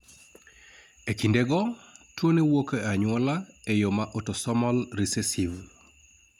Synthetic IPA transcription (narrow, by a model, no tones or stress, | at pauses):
ekindeɡɔtwonewokeaɲwɔlaejomaʔotosɔmɔlɾisesiv